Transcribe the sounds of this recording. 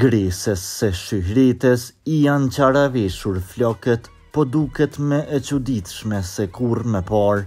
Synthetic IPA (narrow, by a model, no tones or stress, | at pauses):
ɡɾɛsɛsːɛʃyɦɾit̪ɛsijant͡ɕaɾavɛʃuɾflɔkɛt̪ | pɔd̪ukɛt̪mɛʔɛt͡ɕud̪it̪ʃmɛsɛkuɾmɛpaɾ